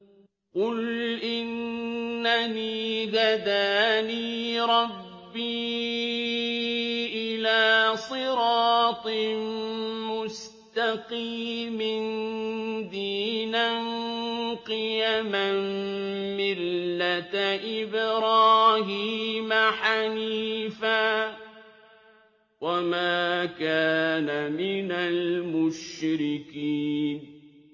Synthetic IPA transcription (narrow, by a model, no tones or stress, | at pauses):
qʊlʔɪnː | aniːɡad̪aːniːɾˤɑbːiː | ʔɪlaːsˤɨɾɑːt̪ˤ | mʊs | t̪aqiːmɪn | d̪iːnanqɨjamanmɪlːat̪ʔɪbɾɑːɦiːmaħaniːfaː | wamaːkaːnamɪnalmʊʃɾɪkiːn